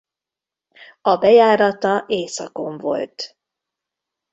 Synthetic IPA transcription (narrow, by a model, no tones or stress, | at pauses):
ɒbɛjaːɾɒt̪ɒʔeːsɒ̰ko̞ɱvo̞̰lt̪